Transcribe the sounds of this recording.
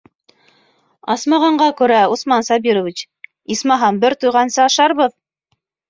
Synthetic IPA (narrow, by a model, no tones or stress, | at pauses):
ɑsmɑʁɑɴɢɑkʉ̆ɾæusmɑnsɑbiɾŏvʲit͡ɕ | ismɑɦɑnbɘɾt̪ujʁɑnsɤɑʃɑɾβɤð